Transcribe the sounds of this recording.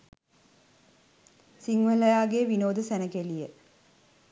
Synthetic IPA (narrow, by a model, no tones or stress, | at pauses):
siŋʋəlɐjaːɡeʋinoːd̪əsænəkelijə